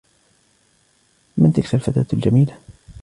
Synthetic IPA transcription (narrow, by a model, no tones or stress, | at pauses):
mant̪ɪkfalfat̪a̰ːt̪ld͡ʒamiːla